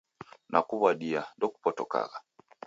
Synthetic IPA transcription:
nakuβwaɗiandɔku̥pɔtɔka̰ɣa

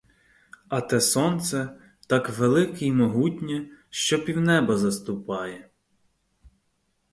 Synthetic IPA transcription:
ɐt̪ɛsɔnt̪sɛ | t̪ɑkʋelˠɪkejmɔɦutʲnʲɛʃt͡ʃɔpʲiwnɛbɐzɐst̪ʊpɑjɛ

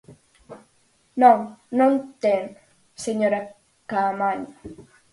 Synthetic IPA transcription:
nõŋnõnt̪en | seɲoɾa | kamaɲa

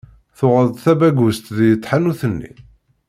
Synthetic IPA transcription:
θʊʁəðθæbæɡʊst̪ðjət̪ˤːħanuθənːḭ

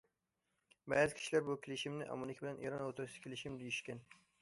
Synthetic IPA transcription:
bæːzɪkʲʰi̥ʃilæɾbukʲelɪʃimnɪʔɑ̰munɪkʲbɪlɛnʔḛɾɑnot̪ʰuɾʃskʲʰelɪʃimd̪ijiʃkʲɛn

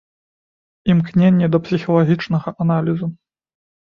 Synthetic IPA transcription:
imknʲenʲːɛd̪ɐpsʲixɐlˠaɣʲit͡ʂnɐɣɐʔanalʲizu

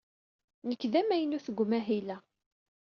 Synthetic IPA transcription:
nəkːðæmæjənuθəɡʷmæɦilæ

